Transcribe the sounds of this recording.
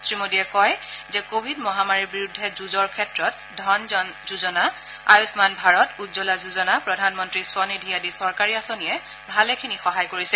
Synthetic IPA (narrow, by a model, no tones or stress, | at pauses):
tɹimodiɛkɔjzɛkobʱidmɔɦamaɹiɹbiɹudʱːɛzuzɔɹkʰɛtɹɔt | dʱɔnzuzɔna | ajusmanbʱaɹɔtutzɔlazuzɔnapɹɔdʱanmɔntɹiswɔnidʱijadisɔɹkaɹiasonijɛ | bʱalɛkʰinixɔɦajkoɹisɛ